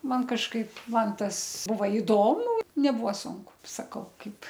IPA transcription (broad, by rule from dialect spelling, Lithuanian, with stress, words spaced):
ˈmɐn kɐʃˈkɐɪp ˈmɐn ˈtɐs ˈbʊʋɐ ɪˈdoːmʊ nʲɛˈbuɔ ˈsʊŋkʊ sɐˈkɐʊ ˈkɐɪp